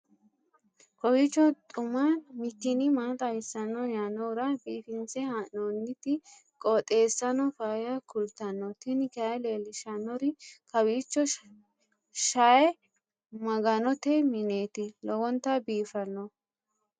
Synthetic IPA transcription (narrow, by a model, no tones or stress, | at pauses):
kɔwiːt͡ʃːɔt̪ʼʊmanmɪkːɪnɪmaːt̪ʼɐɪsːɐnːɔjanːɔʊɾɐbiːfɪnsɛhanonːɪt̪ɪ | kʼɔt̪ʼe̞ːsːɐnɔfaːjɐkʊlt̪ɐnːɔt̪ɪnɪkɐɛleːlɪʃɐnːɔɾɪkɐwiːt͡ʃːɔ | ʃajɛ | mɐɡɐnɔt̪ɛmɪneːt̪ɪlɔwɔnt̪ːɐbiːfɐnːɔ